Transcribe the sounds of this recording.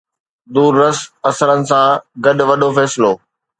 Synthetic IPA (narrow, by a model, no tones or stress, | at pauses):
d̪uːɾːɐsɐsəɾənɪ̆sãɡɐɗʋɐɗofɛːsɪloː